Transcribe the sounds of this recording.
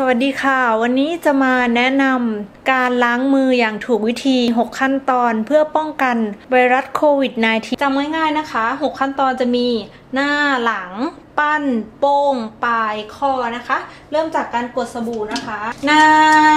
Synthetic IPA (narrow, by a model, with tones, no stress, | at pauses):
sa˧wa˨˩t̪̚diː˧kʰaː˥˩wa˧nːiː˦˥t͡ɕa˨˩maː˧nɛ˦˥na˧mkaː˧nlaː˦˥ŋmɯː˧jaː˨˩ŋt̪ʰuː˨˩k̚wi˦˥t̪ʰiː˧ɦo˨˩kʰːa˥˩nt̪ɔː˧npʰɯ˥˩ɐpɔ˥˩ŋka˧nwa˧jɾa˦˥t̪̚kʰoː˧wi˨˩t̪̚naː˧jt̪ʰiː˧t͡ɕa˧mŋaː˥˩jŋaː˥˩jna˦˥kʰa˦˥ɦo˨˩kʰːa˥˩nt̪ɔː˧nt͡ɕa˨˩miː˧ | naː˥˩la˩˦ŋ | pa˥˩npo˧˩ŋpaː˧˩jkʰɔː˧˩na˦˥kʰa˦˥ʔ | ɾɤː˥˩mt͡ɕaː˨˩kːaː˧nku˨˩ət̪̚sa˧buː˨˩na˦˥kʰa˦˥naː˧˥˩